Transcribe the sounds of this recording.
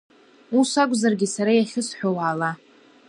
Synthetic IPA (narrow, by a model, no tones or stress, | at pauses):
usakʷʼzarɡʲisaɾajaχʲɪsħʷᶣowaːla